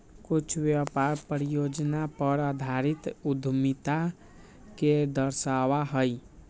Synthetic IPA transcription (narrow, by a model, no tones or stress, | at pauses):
kut͡ʃʰbjapaɾpɾijod͡ʒnapəɾəd̪ʱaɾit̪ud̪ʱmit̪a | ked̪əɾsawaɦəj